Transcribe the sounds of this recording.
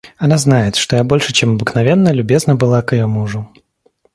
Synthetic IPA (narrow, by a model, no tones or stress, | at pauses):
ɐnaznajɪt̪ʂt̪ojabo̞lʲʂɨt͡ɕemɐbɨknɐvʲenːəlʲʊbʲeznəbɨlˠakɪjomuʐʊ